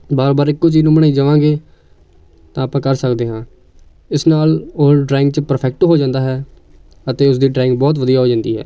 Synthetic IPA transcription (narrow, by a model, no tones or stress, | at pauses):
baːɾbaːɾɪkːoːt͡ʃiːnũːməɳaːiːd͡ʒəʋãːɡeː | t̪ãːaːpãːkəɾsəkd̪eːɦãː | ɪsnaːloːɖɾaːɪ̃ŋɡt͡ʃəpəɾpʰɛːk̚ʈɦoːd͡ʒãːnd̪aːɦɛː | ət̪eːʊs̬d̪iːɖɾaːɪ̃ŋɡ̚bɔːt̪ʋəd̪ijaːɦoːd͡ʒãːnd̪ḭːɦɛ̰ː